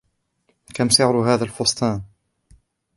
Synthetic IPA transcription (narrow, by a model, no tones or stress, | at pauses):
kamsɪʕɾɦaːðalfʊsˤt̪ˤɑːn